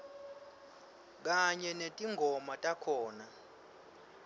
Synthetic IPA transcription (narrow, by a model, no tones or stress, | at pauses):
k̬aɲɛnetʼiŋʱɔmatʼakʰɔːna